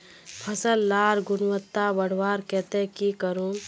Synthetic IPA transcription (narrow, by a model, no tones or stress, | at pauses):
pʰəsəlːaːɾɡʊnwət̪ːabəɽ̤waːɾkɛːt̪ẽkikəɾũː